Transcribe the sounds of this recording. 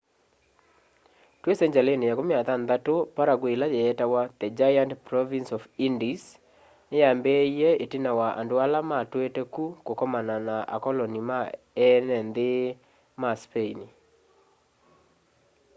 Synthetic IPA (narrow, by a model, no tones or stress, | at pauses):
twesɛɲd͡ʒalenejakomjaðanðatopaɾaɡwelajɛːtawaðɛd͡ʒajantpɾɔvinsɔvindis | nejambeiɛetinawaʔa̰ndoalamatwetɛkukokɔmananaʔa̰kɔlɔnima | ɛnɛnðe | maspeini